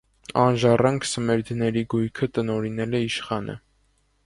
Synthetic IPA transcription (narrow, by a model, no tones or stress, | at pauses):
ɑnʒɑrɑŋkʰsəmɛɾd̪nɛɾiɡujkʰət̪ənɔɾinɛlɛiʃχɑnʔə̰